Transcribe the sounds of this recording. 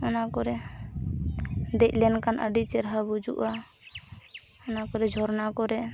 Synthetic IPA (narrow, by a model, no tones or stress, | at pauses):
ɔnakɔɾɛ | d̪ɛc̚ˀlɛnkanʔə̰ɖit͡ʃɛɾɦabud͡ʒṵʔa | ɔnakɔɾɛd͡ʒʱɔɾnakɔɾɛ